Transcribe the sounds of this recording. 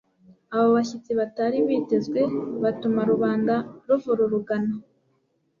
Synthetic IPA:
aβoβaçit͡siβataɾiβiːte̞zɡwe̞βatumaɾuβaːndaɾuvuɾuɾuɡano

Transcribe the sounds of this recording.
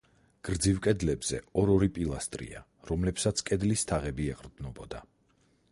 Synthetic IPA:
ɡ̥ɾd̪zivkʼɛd̪lɛbz̥ɛ̰ɔɾɔɾipʼilˠast̪ʼɾḭa̰ | ɾɔmlɛpsat̪sʰkʼɛd̪list̪ʰaʁɛbiɛqʼɾd̪nɔbɔd̪a

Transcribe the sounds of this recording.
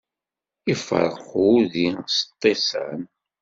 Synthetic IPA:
ifə̰ɾˤχuðist̪ˤːesæ̰n

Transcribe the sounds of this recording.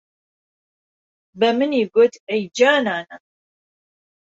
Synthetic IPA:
bɛmɨniːɡot̪ʰɛjd͡ʒaːnaːnɐ

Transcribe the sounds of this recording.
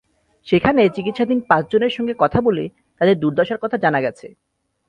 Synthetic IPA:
ʃekʰanet͡ɕikit̪ʃad̪ʱinpãt͡ɕd͡ʑoneɾʃɔŋɡekɔt̪ʰabole | t̪ad̪eɾd̪uɾd̪ʱɔʃaɾkɔt̪ʰad͡ʑanaɡɛt͡ɕʰe

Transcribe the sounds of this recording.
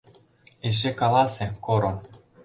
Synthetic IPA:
eʃ̬ekɑlˠɑsʲĕkoɾon

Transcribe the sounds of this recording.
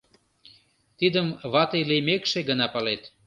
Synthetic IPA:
t̪id̪əmβɑt̪ejlemekʃeɡənɑpɑlet̪

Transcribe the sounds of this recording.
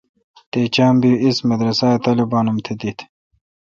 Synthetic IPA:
t̪eːt͡ɕaːmbiismɐd̪ɾɐsaːt̪alibaːnumt̪ʰed̪it̪ʰ

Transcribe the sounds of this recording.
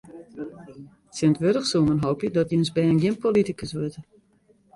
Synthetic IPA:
sɪntʋøɾəxsumənɦowpjədɔtənsbɛənɡɪnpolitikəsʋøtə

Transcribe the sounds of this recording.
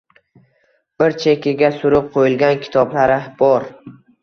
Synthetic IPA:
b̥ɪɾt͡ʃʰekʲʰɪɡʲasʊɾʊp̚qʰojɪlɡʲankʲʰɪ̥t̪ʰɒblaɾɪb̥ɒɾ

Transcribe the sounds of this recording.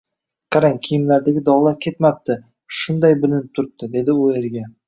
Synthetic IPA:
qʰɑɾaŋkʲʰijɪmlaɾd̪aɡʲɪd̪ɒwlˠakʲʰe̞t̪map̚t̪ʰɪ | ʃʊnd̪ajbɪlɪnɪp̚t̪ʰʊɾɪp̚t̪ʰɪd̪e̞d̪ɪoeɾɡʲa

